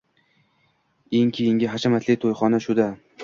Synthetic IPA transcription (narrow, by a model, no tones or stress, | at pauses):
eŋkʲʰejɪŋɡʲɪɦat͡ʃʰamat̪ʰlɪt̪ʰojχɒnaʃʊd̪a